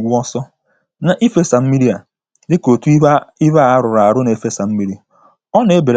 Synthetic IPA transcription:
ɡʷʊ˦ɔ˦sɔ˦ | na˨ʔi˦fe˦sa˨m̩˦mi˦ɾi˦a˨ | dɪ˦ko˨tu˦i˦ba˦a˦ɾʊ˨ɾa˨a˨ɾʊ˦ne˨e˦fe˦sa˨m̩˦mi˦ɾi˦˨ | ɔ˦ne˦e˦be˨ɾ

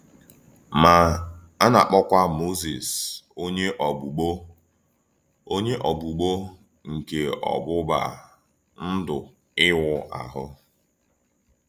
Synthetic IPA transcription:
ma˨ | a˦na˨k͡pɔ˦kʷa˦mo˦zi˨so˦ɲe˦ʔɔ˨bu˨ɡ͡bo˦ | o˦ɲe˦ʔɔ˨ɡ͡bu˨ɡ͡bo˦ | ŋ̩˨ke˨ɔ̰˨ɡ͡bʊ˦ba̰˨ | n̩˦dʊ˨ | ɪ˦wʊ˨ʔa̰˨ɦʊ˦

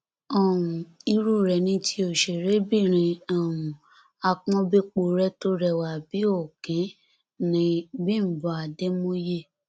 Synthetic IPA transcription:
ɔ˦˨ũ˨i˧ɾu˦˨ɾɛ˨nĩ˧˦tʰi˧˦o˨ʃe˨ɾe˨˦bi˦˨ɾ̃ĩ˧a˨wũ˨ | a˧k͡pɔ̃˧˦be˦k͡po˨ɾɛ˦to˦ɾɛ˦˨wa˨bi˨˦o˦˨kĩ˨˦ | nĩ˨˦bĩ˦m̩˨bɔ˨a˨de˦mõ˦je˦˨

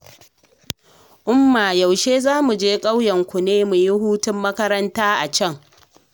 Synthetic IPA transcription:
ʔʊ˦mːaː˨ja˨wʃeː˦zaː˦mu˨d͡ʒeː˦kʼa˦wjɐ˨ŋkʷʊ˨neː˦mu˨ji˦huː˦tʊ˦mːɐ˦kɐ˦ɾɐ˦ntaː˦ʔa˨t͡ʃɐ˦˨ŋ

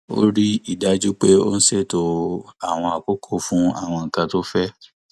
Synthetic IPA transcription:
o̰˦ɾi˦i˦˨da˨˦d͡ʒu˦k͡pe˦o̰˦n̩˦se˦˨to˧a˨w̃ɔ̃˧a˨ko˦kʰo˦˨fũ˦a̰˦˨w̃ɔ̃˧ŋ̩˨kã˧to˦fɛ˦

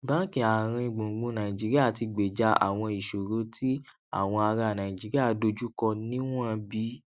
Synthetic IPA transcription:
bã˨˦kĩ˨a˨ɾ̃ĩ˧ĩ˨˧ɡ͡bũ˨ɡ͡bũ˧˦nã˨ĩ˨d͡ʒi˨˦ɾi˦a˦˨ti˧ɡ͡be˨d͡ʒa˧a̰˨w̃ɔ̃˧i˨ʃo˨ɾo˨˦ti˦ | a̰˨w̃ɔ̃˧a˧ɾa˧˨nã˨ĩ˨d͡ʒi˨˦ɾi˦a˦˨do˧d͡ʒu˦kɔ˧nĩ˦w̃ɔ̃˦˧bi˨˦

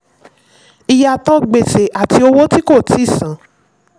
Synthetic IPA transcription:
i˨ja˨tɔ˦ɡ͡be˨se˨ʔa˨ti˧o˧wo˦ti˦ko˦˨tʰi˨˦˨sã˨˦

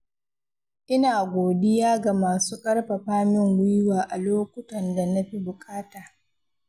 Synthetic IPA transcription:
ʔɪ˦naː˨ɡʷoː˨dɪ˦jaː˦ɡa˨maː˨suː˦kʼɐ˦ɽɸa˨ɸaː˦mɪ˦ŋwʷɪ˦jwaː˨ʔa˨loː˦kʷʊ˦tɐ˨nda˨nɐ˦ɸi˦bʊ˨kʼaː˦taː˨

